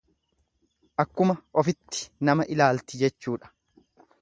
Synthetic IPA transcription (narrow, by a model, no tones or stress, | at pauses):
ʔɐkːʊmɐʔɔfɪt̪ːɪ̥nɐmɐʔɪlaːlt̪ɪd͡ʒɛt͡ʃːuːᶑɐ̥